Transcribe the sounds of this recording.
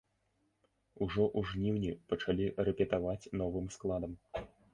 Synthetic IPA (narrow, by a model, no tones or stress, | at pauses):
uʐɔʔuʐnʲiwnʲipɐt͡ʂalʲiɾɛpʲɛt̪avat͡sʲnɔvɨmsklˠad̪ɐm